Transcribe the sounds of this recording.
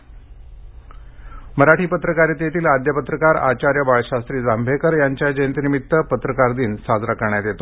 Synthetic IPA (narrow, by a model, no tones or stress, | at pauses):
məɾaʈʰiːpət̪ɾəkaɾet̪jet̪iːlad̪jəpət̪ɾəkaɾa̰t͡ɕaɾjəbaɭɕast̪ɾiːd͡zambʱekəɾjaɲt͡ɕjad͡ʑənt̪nimit̪ːəpət̪ɾəkaɾd̪iːnsad͡zɾakəɾɳjat̪jet̪o